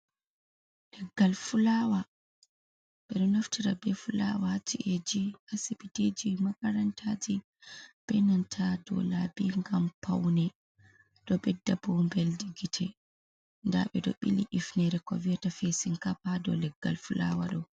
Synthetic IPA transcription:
lɛɡːalfulawa | ɓɛɗɔnaftiɾabɛfulawatiʔed͡ʒihasipited͡ʒimakaɾantʰad͡ʒi | b̥ɛnantʰadɔ̰labiŋɡampʰawnɛ | ɗɔɓɛdːabɔmbɛldiɡitʰɛ | nda̰ɓɛɗɔ̰ɓiliʔifnɛɾɛkɔ̰viatafesiŋkapadɔ̰lɛɡːa̰lfula̰wa̰ɗɔ

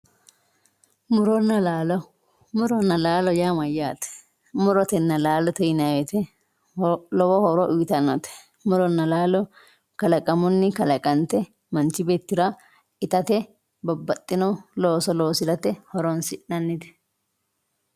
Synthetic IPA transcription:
mʊɾɔnːɐlaːlɔ | mʊɾɔnːɐlaːlɔjaːmɐjaːt̪ɛ̥ | mʊɾɔt̪ɛnːɐlaːlɔt̪ɛjnawɛt̪ɛ | lɔwɔhɔɾɔʔʊjt̪ɐnːɔt̪ɛ̥ | mʊɾɔnːɐlaːlɔ | kɐlɐkʼɐmʊnːɪkɐlɐkʼɐnt̪ɛ | mɐnt͡ʃːɪbeːt̪ːɪɾɐ | ɪt̪ɐt̪ɛ | bɐbːɐt̪ʼːɪnɔloːsɔloːsɪd̪ɐt̪ɛhɔɾɔnsɪʔɐnːɪt̪ɛ̥

